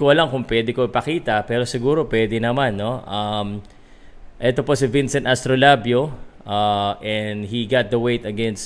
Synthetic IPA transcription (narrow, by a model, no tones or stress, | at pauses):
koɐlaŋkʊŋpwɛd̪ɪkoɪpɐkiːt̪ɐpɛːɾo̞sɪɡuːɾo̞pwɛːd̪ɪnɐmanːo̞ʔɐm | ʔɛt̪opo̞sɪvinsɛnt̪ɐst̪ɾolabjo̞ʔaʔɛnd̪hiɡat̪̚d̪ɐwejt̪ɐɡɛns